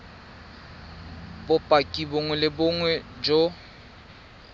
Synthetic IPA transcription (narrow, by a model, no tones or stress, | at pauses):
bʊpʼakʼiboŋwɛlɪbʊŋwɛd͡ʒo